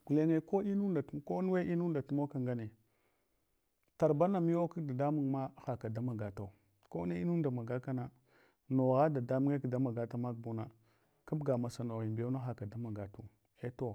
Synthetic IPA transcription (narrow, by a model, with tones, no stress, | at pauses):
ɡu˨le˦ŋe˦ko˦i˦nu˦nda˨tko˦nu˦we˦ʔi˦nu˦nda˨tu˦mo˦ka˨ŋɡa˦ne˨ | ta˨ɾba˦na˨mi˦o˦ki˦da˨da˦mu˨ŋma˦xa˨ka˨da˦ma˨ɡa˨ta˨ | ko˦ne˦i˦nu˦n˦da˨ma˨ɡa˦ka˦na˦ | no˨ɣa˦da˨da˦mu˦ŋe˦kda˦ma˨ɡa˨ta˦ma˦k̚bu˦na˨ | ka˦bɡa˨ma˨sa˨no˨ɣi˨be˦a˦xa˨ka˨da˦ma˨ɡa˨tu˨ | e˦to˦